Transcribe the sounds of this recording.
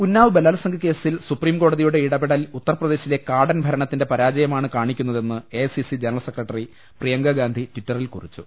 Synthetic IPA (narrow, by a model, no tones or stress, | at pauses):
unːaːʋɨbelːaːlɐsɐŋɡʱɐke̞ːsilsupriːmko̞ːɽɐðijuɽeiɽɐbeɽɐlut̪ːɐrɐprɐd̪e̞ːɕile̞kaːɽɐnbʱɐɾɐɳɐt̪ːinde̞pɐɾaːd͡ʑɐjɐmaːɳɨkaːɳikʲːunːɐðe̞nːɨesisid͡ʑenɐɭlɐsekːrɐʈːɐri | prijɐŋɡɐɡaːnd̪ʱitʋitːɐrilkṵrit͡ɕːṵ